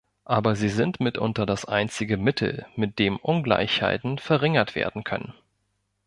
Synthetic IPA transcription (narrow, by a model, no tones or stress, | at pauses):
ʔaːbɐziːzɪntmɪtʔʊ̰ntɐdasʔaɪnt͡sɪɡəmɪtʰl̩mɪt̚d̥eːmʔʊnɡla̰ɪçha̰ɪtn̩fɛɐʁɪŋɐtv̥ḛːɐdn̩kʰœ̰nə̰n